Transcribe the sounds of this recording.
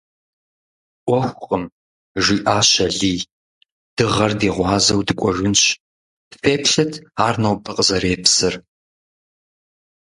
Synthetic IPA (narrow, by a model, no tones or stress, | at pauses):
ʔʷɔxʷqʼəm | ʒiːʔaːɕɐɮiː | d̥ɨʁɐrdiːʁʷɑːzɐwdɨkʷʼɔʒʊnɕ | feːpʰɬɐtʰaːrnɐwbʰɐqʼzɐɾeːpsɨr